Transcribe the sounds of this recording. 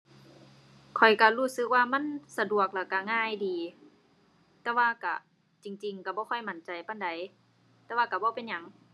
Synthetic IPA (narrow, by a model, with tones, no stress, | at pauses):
kʰɔ˨˩jka˧˩huː˧˩˨sɯ˧˦k̚waː˧ma˧˥˨nsa˧du˨˩ək̚lɛː˧˩ka˧˩ŋaː˧˩˨jdiː˨ | t̪ɛː˧˦waː˧˨ka̰˧˩ | t͡ɕi˨ŋt͡ɕi˨ŋka˧˩bɔː˧˦kʰɔ˧˩jma˨˧˦nt͡ɕa˨jpa˧˥˨nda˨˦j | t̪ɛː˧waː˧ka˧˩bɔː˧˦pe˨nɲa˧˦ŋ